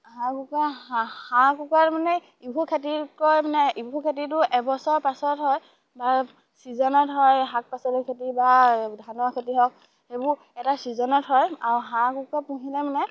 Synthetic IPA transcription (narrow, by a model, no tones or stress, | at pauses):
hãkukahãkukaɹmanɛ | ibʱukʰetikɔjmanɛibʱukʰet̬itʊʔɛbɔsɔɹpasɔtɦɔj | ba | sizɔnɔtɦɔjɦak̚pasɔlukʰetibadʱanɔakʰetiɦɔk̚ | hebʊ | ɛtasizɔnɔtɦɔjaɹuɦãkukapuɦilɛmanɛ